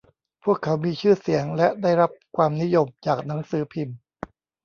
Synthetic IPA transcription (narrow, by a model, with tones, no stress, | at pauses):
pʰu˥˩əkʰːa˩˦˥wmiː˧t͡ɕʰɯː˥˩si˩˦əŋlɛ˦˥ʔdaː˥˩jɾa˦˥p̚kʰwaː˧mni˦˥jo˧mt͡ɕaː˨˩k̚na˩˦ŋsɯː˩˦pʰi˧m